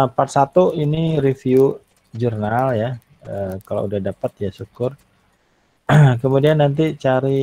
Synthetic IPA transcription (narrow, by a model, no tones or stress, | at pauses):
parsat̪uinirifiu | d͡ʒurnalja | əkalo̰udahdapat̪jasukʊr | kəmudianːant̪̬it͡ʃaɾi